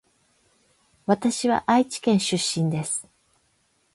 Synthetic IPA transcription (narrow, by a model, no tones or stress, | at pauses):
βat̪aɕiβa̰ʔait͡ɕi̥kẽ̞ɰ̃ɕɨɕːĩnd̪e̞sɨ̥